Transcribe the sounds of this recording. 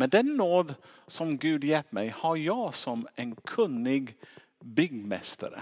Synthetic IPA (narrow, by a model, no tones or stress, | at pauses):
mɛd̪ɛnːoːd̪sɔmɡʉːd̪jɛlp̪mæɪhɑɾjæɪsɔmeːnkʰʉnːɪɡ | bʏɡmɛ̰st̪ə̰ɾə̰